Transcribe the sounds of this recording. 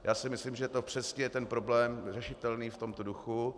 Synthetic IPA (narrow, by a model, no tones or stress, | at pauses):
jaːsɪmɪslimʒɛt̪opr̥ɛscɛjɛt̪ɛnpɾo̞blɛːmr̝ɛʃɪt̪ɛlniːft̪o̞mt̪oduxu